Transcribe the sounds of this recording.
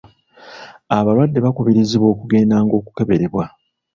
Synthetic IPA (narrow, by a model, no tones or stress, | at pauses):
aβalwadːe̞βakuβiɾiziβwo̞ːkuɡe̞ːndaːŋɡo̞ːku̥ke̞βe̞ɾe̞βwa